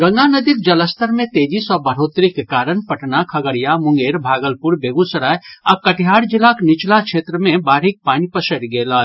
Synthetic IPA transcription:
ɡɐ̃ŋɡanəd̪ik̪̚d͡ʒɐləst̪əɾmẽt̪eːd͡ʒisɔbəɾ̤oːt̪ɾikekaːɾənpɐʈnakʰɐɡəɾijamʊ̃ŋɡeːɾbʱaːɡəlpuɾbeːɡũsəɾaːjɐkəʈʰjaːɽd͡ʒɪlaknɪt͡ʃlakʃʰeːt̪ɾəmẽbaːɾɪk̚paːnipəsəɾɡeːlaː

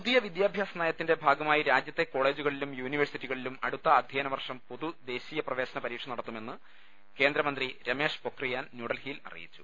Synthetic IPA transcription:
ppuðijɐʋid̪jaːbʱjaːsɐnaːjɐt̪ːinde̞bʱaːɡɐmaːjiɾaːd͡ʑjɐt̪ːe̞ko̞ːɭe̞ːd͡ʑuɣɐɭilumjuːniʋɐrsitːiɣɐɭilumɐɽut̪ːɐːd̪ʱjeːnɐʋɐrʂɐmpoðud̪e̞ːɕijɐprɐʋe̞ːɕɐnɐpɐɾiːʈʂɐnːɐɽɐt̪ːume̞nːɨ | ke̞ːnd̪ɾɐmɐnd̪riɾɐme̞ːʂpo̞krijaːnnjuːɽɐlhiːlɐ̰rḭjḭt͡ɕːu̥̰

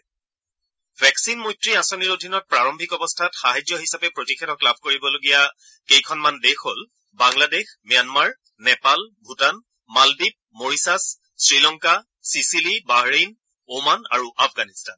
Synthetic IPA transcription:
bʱɛksinmojtɹiasoniɹodʱinɔt̚pɹaɹɔmbʱikɔbɔstʰatxaɦad͡ʒjɔɦisapɛpɹotikʰɛtʰɔklab̚ʱkoɹibɔloɡija | kejkʰɔnmandexɦol | baŋladexmijanmaɹ | nɛpalbʱutan | malbib̚moɹisas | sɹilɔŋka | sisilibaɦɹin | omana̰ɹuʔapʰɡanistan

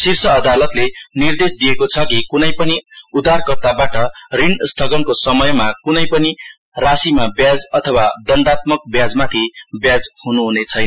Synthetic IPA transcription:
siɾsʌːd̪alʌt̪lenird̪esd̪ijekot͡sʰʌkikunʌjpʌniud̪arkʌrt̪abaʈʌrinst̪ʰʌɡʌnkosʌmʌjmakunʌjpʌni | rasimabjad͡zʌt̪ʰʌwad̪ʌnɖat̪mʌk̚bjad͡zmat̪ʰibjad͡zhunuɦunet͡sʰʌjnʌ

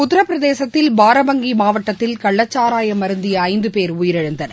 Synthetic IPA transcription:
kʊt̪ːɪɾɐpːɪɾɐðeːsɐt̪ːɪlbaːɾɐmɐŋɡimaːʋɐʈːɐt̪ːɪlkɐɭːɐt͡ʃːaːɾaːjɐmɐɾɯnd̪ijɐɐɪnd̪ɯpeːɾʊjɪɾɛɻɯnd̪ɐnɐ̰

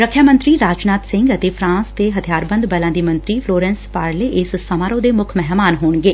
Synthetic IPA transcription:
ɾəkʰjaːmə̃nt̪ɾiːɾaːd͡ʒnaːt̪sɪ̃ŋɡət̪eːpʰɾãːnst̪eːɦət̪ʰijaːɾbə̃nd̪bəlãːd̪iːmə̃nt̪ɾiːpʰloːɾɛːnspaːɾleːʔɪssəmaːɾõːd̪eːmʊkʰmɛɦmaːnɦoːɳɡeː

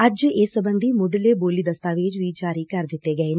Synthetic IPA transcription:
ɐd͡ʒeːsəbə̃nd̪imoɖəleːboːliːd̪əst̪aːʋeːd͡ʒʋiːd͡ʒaːɾiːkəɾd̪ɪt̪ːeːɡəeːne

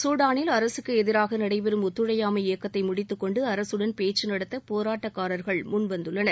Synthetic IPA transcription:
suːɽaːnɪlɐɾɐsɯkːɯɛðɪɾaːɣɐnɐɽɐɪpɛɾɯmʊt̪ːɯɻɐjaːmɐɪjɐkːɐt̪ːɐɪmʊɽɪt̪ːɯkːɔɳɖɯɐɾɐsɯɽɐnpeːt͡ʃːɯnɐɽɐt̪ːɐpoːɾaːʈːɐkːaːɾɐɾɣɐɭmʊnʋɐnd̪ɯɭːɐnɐɾ

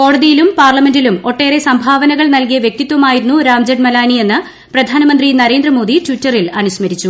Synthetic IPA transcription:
ko̞ːɽɐðijilumpaːrlɐme̞ndilumo̞ʈːe̞ːɾe̞sɐmbʱaːʋɐnɐɣɐɭnɐlkijɐʋjek̚t̪it̪ːʋɐmaːjiɾunːuɾaːmd͡ʑeɖmɐlaːnie̞nːɨ | prɐd̪ʱaːnɐmɐnd̪rinɐɾeːnd̪rɐmo̞ːd̪itʋiʈːɐrilɐnuɕmɐɾit͡ɕːu

